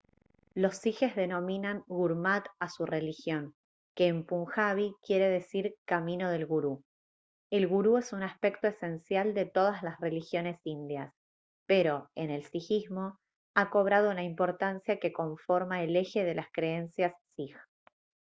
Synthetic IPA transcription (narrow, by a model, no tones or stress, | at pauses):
lo̞sːixe̞zðe̞no̞mĩnaŋɣuɾmat̪asure̞lixjo̞ŋ | keːmpuŋxaβikje̞ɾe̞ðe̞siɾkamĩno̞ð̞e̞lɣuɾu | e̞lɣuɾuesunaspe̞kt̪o̞ese̞nsjald̪e̞t̪o̞ð̞aslasre̞lixjo̞ne̞sind̪jas | pe̞ɾo̞e̞ne̞lsixizmo̞ | ako̞β̞ɾað̞ounaimpo̞ɾt̪ansjake̞ko̞ɱfo̞ɾmaele̞xe̞ðe̞laskɾe̞ensjasːix